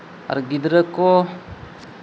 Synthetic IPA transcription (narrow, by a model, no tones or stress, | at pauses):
a̰ɾɡid̪ɾəko